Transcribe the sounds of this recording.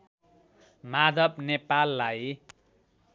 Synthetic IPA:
mad̪ʱʌbnepalːaj

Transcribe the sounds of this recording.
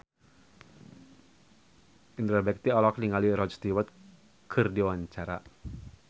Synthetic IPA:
int̪ɾɔbɛk̚t̪iɔlɔkniŋaliɾɔd͡ʒst̪iwɔt̪̚ | kʰɨrdiwaɲt͡ʃaɾa̰

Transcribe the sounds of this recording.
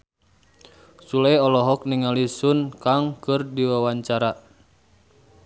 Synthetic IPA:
sulɛjɔlɔɦɔk̚niŋalisunkaŋkɨrdiwawaɲt͡ʃaɾa

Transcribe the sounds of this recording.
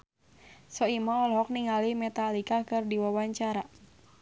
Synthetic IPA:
sɔimɔɔlɦɔk̚niŋalimɛt̪alikakɨrdiwawaɲt͡ʃaɾa

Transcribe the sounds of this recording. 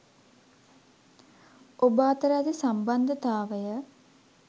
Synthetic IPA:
obaːt̪əɾad̪isamband̪ət̪aːʋəjə

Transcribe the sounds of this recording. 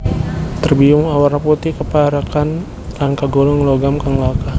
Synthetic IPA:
t̪ərbiʊŋawarnaput̪ɪkəpaaɾakan | laŋkaɡolɔŋloɡamkaŋlaka

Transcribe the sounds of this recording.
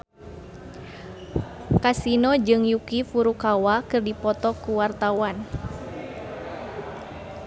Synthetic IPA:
kasinɔd͡ʒɨŋjukifuɾukawakɨrdipɔt̪ɔkuwart̪awan

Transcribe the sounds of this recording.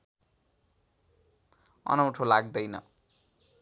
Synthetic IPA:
ʌ̰nʌwʈʰolaɡ̚d̪ʌjnʌ̰

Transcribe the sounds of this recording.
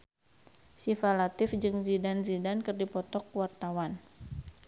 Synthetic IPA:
sifalat̪ɪfd͡ʒɨŋzidanzidankɨrdipɔt̪ɔkwart̪awan

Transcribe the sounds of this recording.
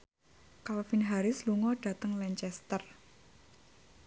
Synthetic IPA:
kalfinɦaɾɪsluŋɔɖ̥ä̤t̪əŋlɛɲt͡ʃɛst̪ər

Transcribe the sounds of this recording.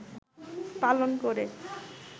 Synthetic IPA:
palonkoɾe

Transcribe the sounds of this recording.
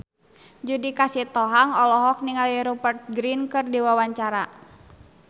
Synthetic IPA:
d͡ʒudikasit̪ɔɦaŋɔlɔɦɔk̚niŋaliɾubərt̪̚ɡɾinkɨrdiwawaɲt͡ʃaɾa

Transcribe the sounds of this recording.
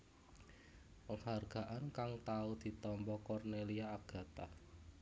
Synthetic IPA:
pəŋharɡ̥a̤ʔankaŋt̪aud̪̥i̤t̪ɔmpɔkɔrneliaaɡ̥ä̤t̪a

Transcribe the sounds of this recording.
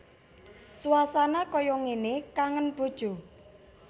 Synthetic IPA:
suwasanakɔjɔŋenekaŋənb̥o̤d̥ʒ̥o̤

